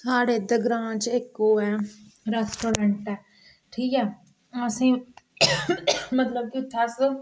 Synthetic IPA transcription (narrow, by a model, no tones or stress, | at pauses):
saːɽeːd̪əɡɾãːt͡ʃekːoːɛːɾɛːsʈoːɾɛ̃ɳʈɛː | ʈʰiːkɛː | asĩ | mət̪ləb̚kiʊt̪ʰːaːsə